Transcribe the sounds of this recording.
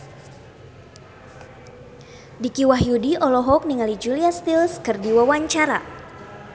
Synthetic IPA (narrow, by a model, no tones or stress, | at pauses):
dikiwaɦjudiʔɔlɔɦɔk̚niŋalid͡ʒuliast̪ilskɨrdiwawaɲt͡ʃaɾa̰